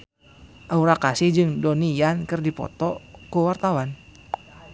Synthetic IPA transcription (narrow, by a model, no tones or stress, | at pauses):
ʔauɾakasihd͡ʒɨŋdonijankɨrdipɔ̰t̪ɔkuwart̪awan